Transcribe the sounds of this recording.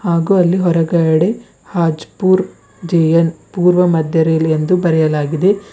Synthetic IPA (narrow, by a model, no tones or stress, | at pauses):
haːɡuːɐlːiɦɔɾɐɡɐɐɽe | haːd͡ʒpuːɾ | d͡ʒejɐnpuːɾʋɐmɐd̪ʱjɐɾejlend̪ubɐɾɛjɐlaːɡid̪e̞